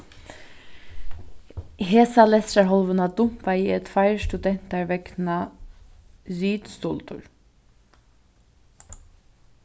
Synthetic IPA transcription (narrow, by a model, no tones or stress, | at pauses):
ɦeːsɑlɛsɾɑɦɔlʋənɑd̪ʊmpɑiːɛt̪fæɪstʉd̪ɛn̥t̪ɑɹʋɛɡnɑ | zyːd̪st̪ult̪ʰʊ̰ɹ